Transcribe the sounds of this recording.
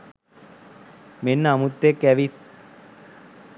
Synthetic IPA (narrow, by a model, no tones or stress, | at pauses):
menːəamut̪ːekːæʋit̪̚